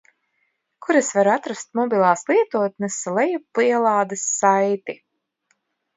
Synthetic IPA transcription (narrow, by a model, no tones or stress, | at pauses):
kuɾesvaɾat̪ɾast̪̚mɔbilˠaːslˠiɛt̪uɔt̪̚nɛslˠɛjupliɛlˠaːd̪ɨsːajt̪i